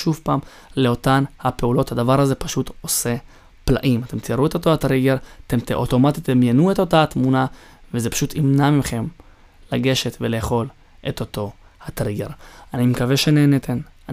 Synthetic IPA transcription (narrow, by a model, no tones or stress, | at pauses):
ʃuvpaːm | le̞o̞t̪anhape̞ulo̞t̪had̪avaʁaze̞paʃut̪o̞se̞ | plaʔimat̪e̞mt̪iʁuet̪o̞t̪o̞hat̪ʁiɡeʁat̪emt̪eʔot̪o̞mat̪it̪ːd̪amjenuet̪o̞tat̪muna | vezepḁʃut̪imnamimχe̞m | laɡe̞ʃet̪veleːχo̞l | ʔet̪o̞t̪o̞ | hat̪ʁiɡe̞ʁanimekaveʃeneːnet̪ʰena